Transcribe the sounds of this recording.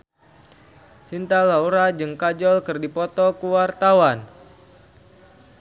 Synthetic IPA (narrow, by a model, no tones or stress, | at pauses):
sint̪alauɾad͡ʒɨŋkad͡ʒɔlkɨrdipɔt̪ɔkuwart̪awan